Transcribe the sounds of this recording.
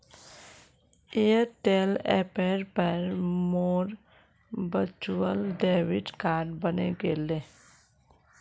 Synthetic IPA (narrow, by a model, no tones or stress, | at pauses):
eʈeːlɛpeɾpəɾmoːɾ | bət͡ʃuwəlɖeːʋɪʈkaːɾɖbənḛɡeːle